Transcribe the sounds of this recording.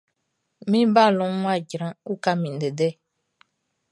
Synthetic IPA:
mĩ˦ba˦˨lɔ̃˨˦ŋʷ˦a˦˨ɟɾã˨˦u˦ka˦mĩ˨n˨de˨dɛ˦˨

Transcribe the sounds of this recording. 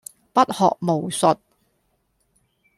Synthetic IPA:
pɐ˥t̚hɔ̰ː˨k̚mo˨˩wsɵ˨t̚

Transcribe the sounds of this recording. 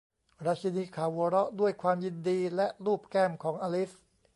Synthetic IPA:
ɾa˦˥t͡ɕʰi˧niː˧kʰaː˨˩˦wwoː˧ɾɔ˦˥du˥˩əjkʰwaː˧mji˧ndiː˧lɛ˦˥ʔɾuː˥˩p̚kɛː˥˩mkʰɔː˩˦ŋʔaː˧li˦˥s

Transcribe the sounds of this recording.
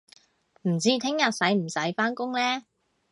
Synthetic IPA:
m̩˨˩t͡siː˥t̪ʰɪ˥ŋjɐ˨t̚sɐ˨˥jm̩˨˩sɐ˨˥jfaː˥nkʊ˥ŋlɛː˥

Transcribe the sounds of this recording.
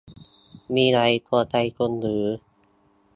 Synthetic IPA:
miː˧ɾa˨˦˥jt̪ʰu˧ɐt̪a˧jkʰo˧nɾɯː˩˦

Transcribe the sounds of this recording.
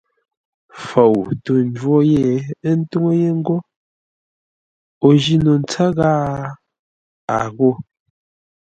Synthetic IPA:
fo˨wto˨n̩˦d͡ʒwɔ˦je˦˨˦n̩˦tu˦ŋo˦je˦ŋ̩˦ɡo˦ | o˨ʒi˦no˨n̩˨˦t͡sa˦ɣaː˦ | a˨ɣo˦˨

